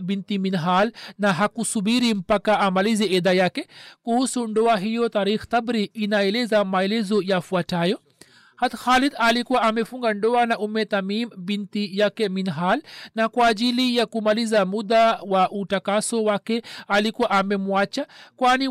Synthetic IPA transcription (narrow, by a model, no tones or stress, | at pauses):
bintiminɦalnaɦakusubiɾim̩pakaʔamaliziɛðajakɛkuhusundɔaɦijɔt̪aɾixt̪abɾiːnaɛlɛzamaɛlɛzɔjafuatajɔ | hat̪xalid̪alikuwaʔamɛfuŋɡandɔanaʔumɛt̪amimbintijakɛminɦalnakwaːd͡ʒilijakumalizamud̪awaʔutakasɔwakɛalikuwaʔamɛmuat͡ʃakwani